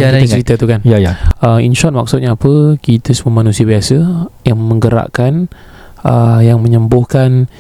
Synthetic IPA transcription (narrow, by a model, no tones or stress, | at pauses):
kit̪ət͡ʃəɾit̪at̪ukanjajaəminʃɔt̚mak̚sut̪̚ɲaːpəkit̪əsəmumanũsiabiasəjaŋmə̃ŋɡəɾa̰ʔkan | əjaŋmə̃ɲəmbʊhkan